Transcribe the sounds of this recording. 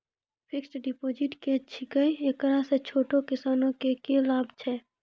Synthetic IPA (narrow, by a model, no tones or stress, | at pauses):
pʰɪksɖɪpoːd͡ʒɪʈkeɐt͡ʃʰikəieːkɾaset͡ʃʰoːʈokɪsaːnõkekelaːbt͡ʃʰɛː